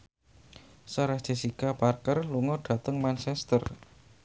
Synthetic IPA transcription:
səɾahdd͡ʒ̥e̤sikaparkərluŋɔɖ̪̥ä̤t̪əŋmant͡ʃɛst̪ər

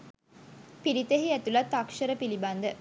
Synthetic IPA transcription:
pilit̪eɦiæt̪ulɐt̪ːɐkʃəɾəpiliband̪ə

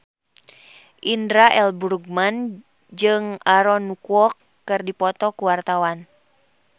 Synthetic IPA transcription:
ʔindɾaʔɛlbuɾuɡ̚man | d͡ʒɨŋaɾɔnukuɔkː | ɨrdipɔt̪ɔkuwart̪awan

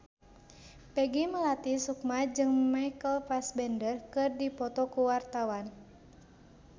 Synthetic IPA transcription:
pɛɡiməlat̪isukmad͡ʒɨŋmajkəlfasbɛndərkɨrdipɔt̪ɔkuwart̪awan

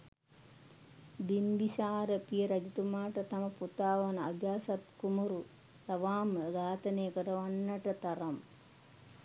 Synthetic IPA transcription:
d̪imbisaːɾəpijəɾɐd͡ʒɐt̪umaːʈɐt̪ɐmɐput̪aːʋana̰d͡ʒaːsɐt̪kumɐɾu | t̪ɐʋaːməɡaːt̪ɐnejəkəɾɐʋanːɐʈɐt̪ɐɾɐm

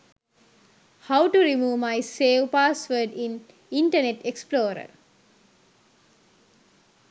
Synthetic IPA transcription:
hawʈuɾimuːʋmajseːʋpaːsʋəːɖĩn | iɳʈəneʈeksploːɾə̰

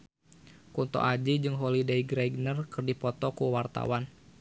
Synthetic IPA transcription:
kunt̪ɔ̰ʔad͡ʒid͡ʒɨŋɦolidaiɡɾaiɡnərkɨrdipɔt̪ɔkuwart̪a̰wan

